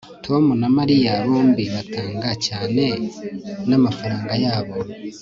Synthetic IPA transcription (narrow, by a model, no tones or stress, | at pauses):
tʰo̞munamaɾijaβoːmbiβataːŋɡacaːne̞ | namafaɾaːŋɡajaːβo̞